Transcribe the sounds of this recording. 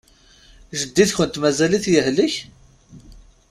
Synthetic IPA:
ʒəd̪ːiθçənt̪mæzæliθjəɦləç

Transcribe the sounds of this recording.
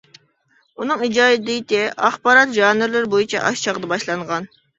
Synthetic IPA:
unɨŋid͡ʒɑːɪd̪ɪt̪ɪʔɑχbɑɾɑt̪ʒɑːnɪɾlɪɾbojit͡ʃʰɛ̰ʔɑʃt͡ʃʰɑʁd̪ɑbɑʃlˠɑɴʁɑn

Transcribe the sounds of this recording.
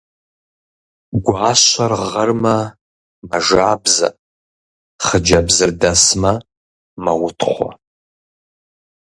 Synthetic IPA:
ɡʷaːʃʷarʁərma | maʒaːbza̰ | χəd͡ʒabzɨrdasma | mawʊtʰχʷa̰

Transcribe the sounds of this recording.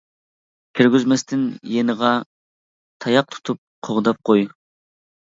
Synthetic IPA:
kʲʰiɾɡʲyzmɛst̪ʰɪnjenəʁɑ | t̪ʰɑjɑq̚t̪ʰu̥t̪ʰup̚qʰoʁd̪ɑp̚qʰoj

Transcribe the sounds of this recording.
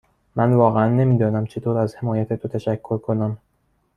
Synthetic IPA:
mænvɒːɣeænːe̞miːd̪ɒːnæmt͡ʃʰe̞t̪ʰoːɾæzhe̞mɒːjæt̪ʰet̪ʰot̪ʰæʃækʰːoɾkʰonæm

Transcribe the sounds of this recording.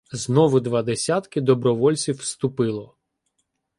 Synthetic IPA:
znɔʋʊd̪ʋɐd̪esʲat̪kɪd̪ɔbɾɔʋɔlʲt͡sʲiwst̪ʊpɪlˠɔ

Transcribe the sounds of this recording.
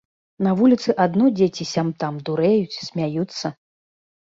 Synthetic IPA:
nɐvulʲit̪sɨʔad̪nɔd͡zʲet͡sʲisʲamt̪amd̪uɾɛjut͡sʲsʲmʲajut̪sːɐ

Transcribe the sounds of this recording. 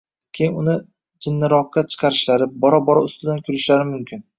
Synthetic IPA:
kʲʰejɪnʊnɪ | d͡ʒɪnːɪɾɒqːɑt͡ʃʰɨ̥qʰɑɾɪʃlaɾɪbɒɾɒbɒɾɒʊst̪ɪd̪ankʲʰʊɾɪʃlaɾɪmʊmkʲʰɪn

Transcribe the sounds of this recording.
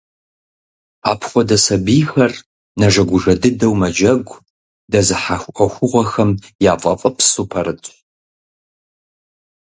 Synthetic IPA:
a̰ːpʰχʷɔdɐsɐbiːxɐr | nɐʒɐɡʷʊʒɐdɨdɐwmɐd͡ʒɐɡʷ | dɐzɨħaxʷʔɐxʷʊʁʷɐxɐmjaːfʼɐfʼɐpʰsupʰɐɾɨtʼ

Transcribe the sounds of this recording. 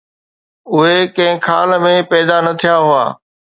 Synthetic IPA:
ʊɦekɐ̃ɦɪ̃kʰa̰ːləmẽpɛːd̪anɐt̪ʰijaɦʊa̰ː

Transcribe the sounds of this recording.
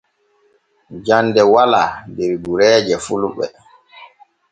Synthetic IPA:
d͡ʒandɛwalaːdɛɾɡuɾɛːd͡ʒɛfuluɓɛ̰

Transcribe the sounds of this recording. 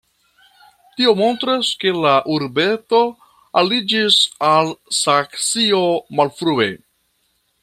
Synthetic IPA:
tio̞mo̞nt̪ɾaske̞laʔuɾbe̞to̞ | alid͡ʒisalsaksiomalfɾue̞̰

